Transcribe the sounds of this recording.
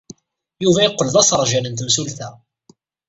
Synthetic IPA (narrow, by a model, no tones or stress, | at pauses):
juvæjəqːəlðˤɑsɾˤʒælənt̪əmsulθæ